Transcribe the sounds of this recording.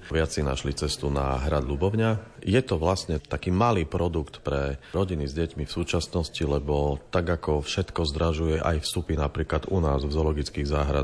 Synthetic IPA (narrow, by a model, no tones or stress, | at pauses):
ʋɪat͡sina̰ʃlit͡sɛst̪una̰ɦɾad̪lubɔʊɲajɛt̪ɔʋlasɲɛt̪akiːmaliːpɾɔd̪ukt̪pɾɛɾɔɟinizɟɛcmifsuːt͡ʃasnɔscilɛbɔt̪aɡakɔfʃɛt̪kɔzd̪ɾaʒujɛʔa̰jfst̪upinapɾiːklad̪unaːzvzɔlɔɡit͡skiːɣzaːɦɾa